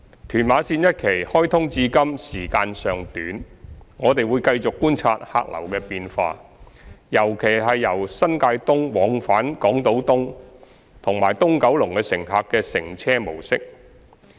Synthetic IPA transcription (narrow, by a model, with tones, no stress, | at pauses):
t̪ʰyː˨˩nmaː˨˧˥siː˧njɐ˥t̚kʰe˨˩jhɔː˥jt̪ʰʊ˥ŋt͡siː˧kɐ˥msiː˨˩kaː˧nsœː˨ŋt̪yː˨˥nŋɔː˨˧t̪e˨jwuː˨˧jkɐ˧jt͡sʊ˨kːuː˥nt͡sʰa̰ː˧t̚ha̰ː˧k̚lɐ̰˨˩wkɛː˧piː˧nfa̰ː˧ | jɐ˨˩wkʰe˨˩jɦɐ˨jːɐ˨˩wsɐ˥nkaː˧jt̪ʊ˥ŋwɔː˨˥ŋfaː˨˥nkɔː˨˥ŋt̪o˨˥wt̪ʊ˥ŋ | t̪ʰʊ˨˩ŋmaː˨˩jt̪ʊ˥ŋkɐ˨˥wlʊ˨˩ŋkɛː˧sɪ˨˩ŋɦaː˨kːɛː˧sɪ˨˩ŋt͡sʰɛː˥mo˨˩wsɪ˥k̚